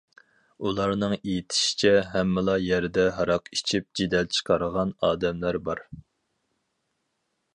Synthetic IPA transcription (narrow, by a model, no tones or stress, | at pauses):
ulˠɑɾnɨŋijit̪ʰɪ̥ʃi̥t͡ʃʰɛɦɛmːɪlˠɑjɛɾd̪ɛɦɑɾɑqit͡ʃʰip̚d͡ʒid̪ɛlt͡ʃʰə̥qʰɑɾəʁɑnɑːd̪ɛmlæɾbɑɾ